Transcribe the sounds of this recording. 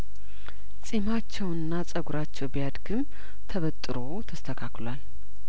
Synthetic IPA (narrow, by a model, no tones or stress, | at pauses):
sʼimat͡ʃːɛwɨnːasʼəɡuɾat͡ʃːɛwbijad̪ɡɨm | t̪ʰəβət̪ʼːɨɾo̞t̪ʰəst̪ʰəkʰaklwal